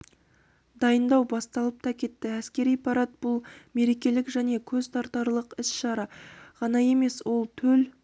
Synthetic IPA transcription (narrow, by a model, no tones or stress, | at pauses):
d̪ɑjənd̪ɑwbɑst̪ɑlˠəp̚t̪ʰɑkʲe̞t̪ːɪæskʲe̞ɾijpʰɑɾɑt̪̚bʊlˠme̞ɾe̞kʲe̞lɪkʒæne̞kʲʰɵzt̪ʰɑɾt̪ɑɾlˠəqɪsʃɑɾɑʁɑnɑje̞me̞swo̞lˠt̪ʰɵl